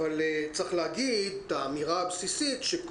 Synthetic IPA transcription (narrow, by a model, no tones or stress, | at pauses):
valet͡saχleaɡid̚t̪aːmiʁaːbsisit̪ʃek